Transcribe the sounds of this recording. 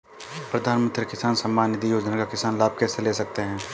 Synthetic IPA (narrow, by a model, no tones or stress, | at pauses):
pɾɐd̪ʱaːnmə̃nt̪ɾəkɪsaːnsɐ̃mːaːnːɪt̪ijoːd͡ʒnakakɪsaːnlaːb̚ʱkɛːseleːsɐk̚t̪eɦɛ̃ː